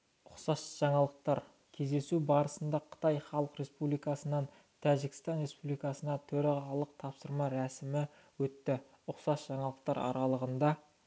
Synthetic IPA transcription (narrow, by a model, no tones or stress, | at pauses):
ʊqsɑsʒ̥ɑɴɑlˠəq̚t̪ɑɾ | kʲʰe̞zd̪e̞subɑɾəsənd̪ɑqʰə̥t̪ɑjχɑlˠəqɾe̞spublijkɑsənɑn | t̪ʰæʒɪkʲɪ̥st̪ɑnɾe̞spublijkɑsənɑt̪ʰɵɾɑʁɑlˠəq̚t̪ʰɑpsəɾmɑɾæsɪmɪ | wɵt̪ːɪ | ʊqsɑsʒ̥ɑɴɑlˠəq̚t̪ɑɾɑ̰ɾɑlˠəʁənd̪ɑ